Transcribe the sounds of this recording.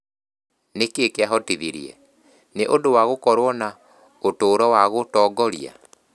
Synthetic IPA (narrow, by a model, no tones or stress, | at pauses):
nekekeaɦɔtiðiɾḭɛ̰ | neʔodowaɣokɔɾwɔna | otoːɾɔwaɣotɔɡɔɾia̰